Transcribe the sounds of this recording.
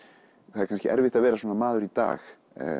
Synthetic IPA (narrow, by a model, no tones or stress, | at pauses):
θaðɛɾkʰanscɪʔɛ̰ɾvɪht̪aðvɛːɾaswɔːnamaːðʏɾit̪a̰ːx